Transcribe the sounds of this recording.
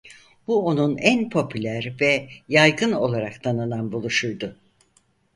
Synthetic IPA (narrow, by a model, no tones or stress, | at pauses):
b̥uo̞nunænpʰo̞pʰylʲæɾvɛjajɡɯno̞̰lˠaɾakt̪ʰanɯnanbulˠuʃujd̪ʊ